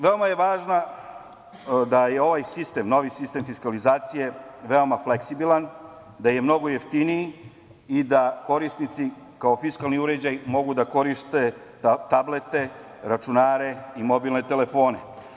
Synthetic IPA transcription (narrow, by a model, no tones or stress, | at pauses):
ʋe̞omaje̞ʋaːʒna | d̪ajeo̞ʋajsist̪e̞mno̞ʋisist̪e̞mfiskalizaːt̪sije̞ʋe̞o̞mafleksibilˠan | d̪aje̞mno̞ɡo̞jeft̪iniji | id̪ako̞ɾisnit̪si | kao̞fiskalˠniuɾe̞d͡ʑajmo̞ɡud̪ako̞ɾiʃt̪e̞ | t̪ablet̪e̞ | ɾat͡ʃunaːɾe̞imo̞bilˠne̞t̪ele̞fo̞ːne̞